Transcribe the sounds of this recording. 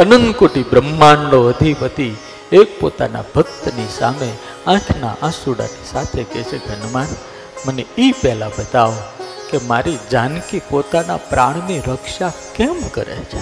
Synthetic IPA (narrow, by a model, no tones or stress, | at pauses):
ənənkoʈibɾəmːanːoəd̪ʱipət̪i | ek̚po̰t̪a̰na̰bʱək̚t̪nisa̰me | ãʈʰna̰ʔãsuɽa̰nisat̪ʰekɛt͡ʃʰeɡʱənman | məneipɛlabət̪aʋ | kemaɾid͡ʒankipot̪anapɾaɳ̃miɾəkʃakemkəɾḛt͡ʃʰe